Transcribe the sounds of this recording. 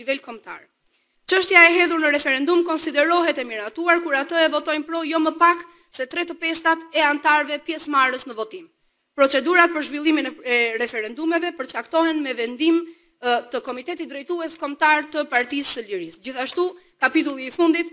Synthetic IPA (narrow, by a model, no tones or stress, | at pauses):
ivɛlkɔmt̪a̰ɾ | t͡ʃəʃt̪jaɛɦɛðuɾnəɾɛfɛɾɛnd̪umkɔnsid̪ɛɾɔɦɛt̪ɛmiɾat̪uaɾkuɾat̪əɛvɔt̪ɔjnpɾɔjɔməpak | sɛt̪ɾɛt̪əpɛst̪at̪ɛant̪aɾvɛpjɛsmaɾəsnəvɔt̪im | pɾɔt͡sɛd̪uɾat̪̚pəɾʒvilˠiminɛɛɾɛfɛɾɛnd̪umɛvɛpəɾt͡sakt̪ɔhɛnmɛvɛnd̪im | t̪əkɔmit̪ɛt̪it̪̚d̪ɾɛjt̪uɛskɔmt̪aɾt̪əpaɾt̪isəliɾisd͡ʑiθaʃt̪u | kapit̪ulˠiːfund̪it̪